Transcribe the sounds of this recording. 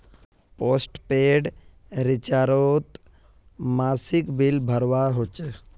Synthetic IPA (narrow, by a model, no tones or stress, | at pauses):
poːsʈpeɖ | ɾɪt͡ʃaːɾoːt̪ | maːsɪkbilbʱəɾʋaɦot͡ʃ